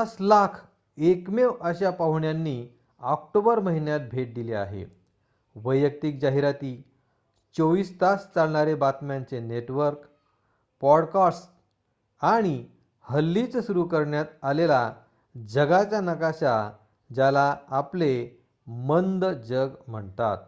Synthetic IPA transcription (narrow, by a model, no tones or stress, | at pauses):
slakʰ | ekmewəɕapaɦuɳjanːi | ɔkʈobəɾməɦinjat̪̚bʱeʈ̚d̪ilea̰ɦḛ | ʋəjək̚t̪ik̚d͡ʑaɦiɾat̪iː | t͡soʋiːst̪ast͡salɳ̃aɾebat̪mãnt͡seneʈʋəɾk | pɔɽkɔsʈ | aɽ̃i | həlːit͡ssuɾukəɾɳjat̪alela | d͡zəɡat͡ɕjanəkaɕa | d͡ʑalaːple | mənd̪d͡ʑəɡm̤əɳt̪a̰t̪̚